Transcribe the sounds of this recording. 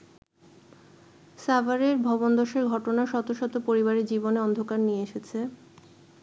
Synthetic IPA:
savaɾeɾbʱɔbond̪ɔʃeɾɡʱɔʈonaʃɔt̪oʃot̪opoɾiβaɾed͡ʑiboneɔnd̪ʱokaɾnijeeʃet͡ɕʰe

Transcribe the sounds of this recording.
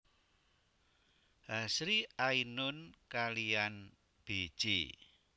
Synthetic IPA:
ɦasɾiainʊnkalijan | b̥e̥ʒ̥ḭ

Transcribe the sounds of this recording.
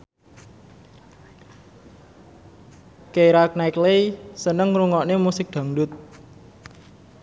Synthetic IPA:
kejɾak̚naiklejsənəŋɾuŋɔʔnemusɪk̚d̪̥a̤ŋɖʊt̪̚

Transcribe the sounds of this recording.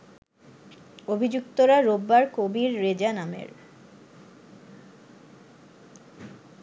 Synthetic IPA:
obʱid͡ʑukt̪oɾaɾobːaɾkobiɾːed͡ʑanamḛɾ

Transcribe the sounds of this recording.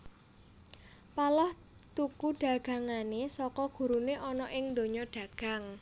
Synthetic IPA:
palɔh | t̪ukuɖ̥a̤ɡ̥ä̤ŋanesɔkɔɡ̥ṳɾuneʔɔnɔʔɪŋnd̪oɲɔɖ̥a̤ɡ̥a̤ŋ

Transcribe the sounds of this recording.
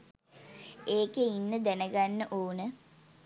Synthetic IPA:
eːkeinːəd̪ænəɡanːəʔoːnə

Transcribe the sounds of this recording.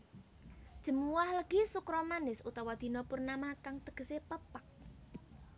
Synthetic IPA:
d̥ʒ̥ə̤muwahləɡ̥isukɾɔmanɪsut̪awad̪̥i̤nɔpʊrnamakaŋt̪əɡ̥ə̤sepəpak̚

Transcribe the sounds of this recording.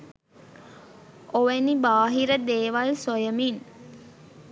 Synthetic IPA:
ʔoʋenibaːɦiɾəd̪eːʋalsojəmin

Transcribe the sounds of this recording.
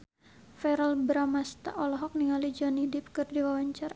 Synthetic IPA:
fɛɾəlbɾamast̪a̰ʔɔlɔɦɔk̚niŋalid͡ʒɔnidɪp̚kɨrdiwawaɲt͡ʃar

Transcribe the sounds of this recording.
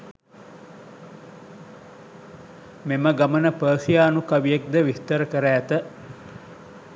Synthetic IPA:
meməɡamənəpəːsijaːnukaʋijek̚d̪əʋist̪əɾəkəɾəːt̪ə

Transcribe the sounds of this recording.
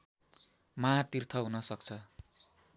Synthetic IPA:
mat̪irt̪ʰʌɦunʌsʌk̚t͡sʰʌ

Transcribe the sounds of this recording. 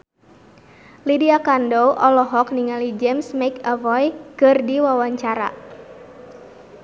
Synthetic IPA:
lidiakandowʔɔlɔɦɔkniŋalid͡ʒɛmsmakavɔjkɨrdiwawaɲt͡ʃaɾa̰

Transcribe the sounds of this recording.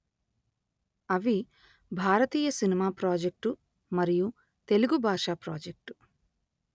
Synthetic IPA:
ɐʋi | bʱaːɾɐt̪iːjɐsinimaːpɾaːd͡ʒek̚ʈu | mɐɾiju | t̪e̞luɡubʱaːʂaːpɾaːd͡ʒek̚ʈu̥

